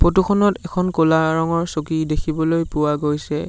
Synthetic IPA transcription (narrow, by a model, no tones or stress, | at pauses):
potuxʰɔnɔtɛkʰɔnkolaɹɔŋɔɹsokidekʰibɔlojpʊwaɡojsɛ